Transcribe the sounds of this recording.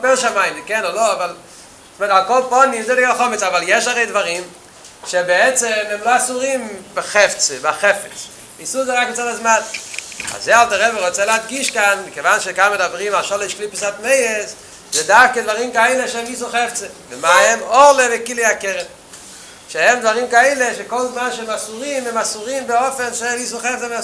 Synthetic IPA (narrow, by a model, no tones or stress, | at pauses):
pɛlˠʃamaɪmɪkɛnoloavalˠ | stmɛtalˠkɔlˠpɔnimzedɪaχɔmɪt͡savalˠjɛʃaʁeɪdvaʁim | ʃebeɛt͡sɛmɛmloasuʁimbɪχɛft͡sebaχɛfɛt͡s | visuzeʁakɡɪt͡satazmana̰zealˠtaʁɛbəʁoɪt͡sɛlɪatɡiʃkanbɪkevanʃekamedabʁimaʃɔleɪʃkliːpəsatmeɪes | zedafkɪdvaʁiːmkaeɪleʃɛmiːsuχɛft͡sevɪmaɛmɔʁlˠevɪkiliakɛʁen | ʃehɛmdvaʁiːmkaɛɪleʃekɔlˠzmanʃɛmasuʁimɛmasuʁimbɪɔfɛnʃɛmiːs̬uχɛft͡sɛva